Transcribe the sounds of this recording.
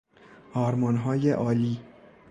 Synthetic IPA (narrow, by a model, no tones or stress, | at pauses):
ʔɒːɾmɒnɦɒːjeʔɒːliː